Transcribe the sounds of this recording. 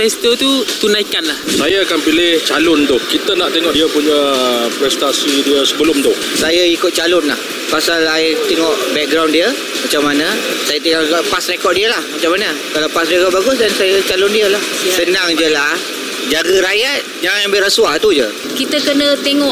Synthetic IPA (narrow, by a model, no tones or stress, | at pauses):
fɛst̪ot̪ut̪unaikanlahsajaakanpilɪht͡ʃalʊnt̪ʊhkit̪ənaʔt̪eŋɔʔdiəpuɲəpɾɛst̪asidiəsəbəlʊmt̪ʊh | sajaikʊt̪̚t͡ʃalʊnlah | pasalat̪eŋɔʔbɛk̚ɡɾawndiə | mat͡ʃamːanəsajat̪eŋɔʔpasrekɔt̚diəlahmat͡ʃamːanə | kalawpasrekɔt̪̚baɡʊsdansajət͡ʃalʊndiəlahssənaŋd͡ʒəlah | d͡ʒaɡəɾajat̪̚d͡ʒaŋañbeɾəswat̪ud͡ʒə | kit̪əkənət̪eŋɔʔ